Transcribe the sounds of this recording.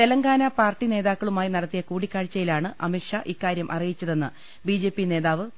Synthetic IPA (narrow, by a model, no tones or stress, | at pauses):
t̪e̞lɐŋɡaːnɐpaːrʈːine̞ːðaːkːɐɭumaːjinɐɽɐt̪ːijɐkuːɽikʲːaːɻt͡ɕːɐjilaːɳɨʔɐ̰miʈʂɐʔikːaːɾjɐmʔɐ̰rijit͡ɕːɐðe̞nːɨ | bid͡ʑe̞ːpːine̞ːðaːʋɨ